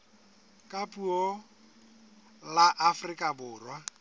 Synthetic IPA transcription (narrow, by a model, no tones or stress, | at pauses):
kʼapʼuɔ | laʔafrikʼabʊːrwa